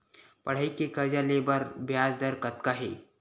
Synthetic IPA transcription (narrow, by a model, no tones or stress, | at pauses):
pɐɽ̤aikekɐɾd͡ʒaleːbəɾbʱjaːzd̪əɾkɐt̪̚kaɦeː